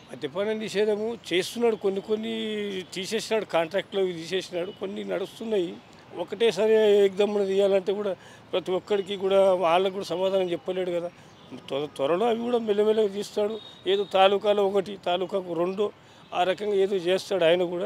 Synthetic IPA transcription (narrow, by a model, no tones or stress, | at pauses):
ɐd̪ɐpaːnɐniʃeːd̪ɐmut͡ʃe̞ːst̪unːaːɽukonːikonːit̪iːse̞ːsinaːɽukaːɳʈɾaːk̚ʈloːit̪iːseːsinaːɽukonːinɐɽust̪unːaːji | ɔkɐʈeːs̬ɐɾek̚d̪ɐmːɐnɐt̪iːjːaːlɐɳʈeːkuːɽaː | pɾɐt̪iɔkːɐɽik̬ikuːɽaːaːlːɐk̬uːɽasɐmaːd̪aːnɐmt͡ʃɛpːɐlːeːɽukɐd̪aː | t̪t̪ʋɐɾɐloːɐʋikuːɽaːmelːɐmɛlɐkt̪iːst̪aːɽueːd̪oːt̪aːluːkaːloɔkɐʈit̪aːluːkakuɾeɳɖoː | aːɾɐkɐŋɡaːeːd̪o̞ːt͡ʃeːst̪aːɽuaːjɐnɐkuːɽaː